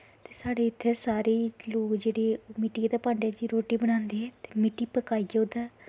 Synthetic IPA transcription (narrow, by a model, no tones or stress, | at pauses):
t̪eːsaːɽeːɪt̪ʰːeːsaːɾeːloːkd͡ʒeːɽeːmɪʈiːd̪aːpãːɳɖeaːd͡ʒiːɾoːʈiːbəɽ̃ãːnd̪eːɦɛ̃ːt̪e̥ːmɪʈːiːpəkaːiːɡoːd̪aː